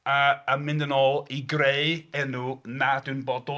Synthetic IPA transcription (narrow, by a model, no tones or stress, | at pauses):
aəmɪ̃ndənɔːlˠiɡrejɛnunadɪwnbɔdɔ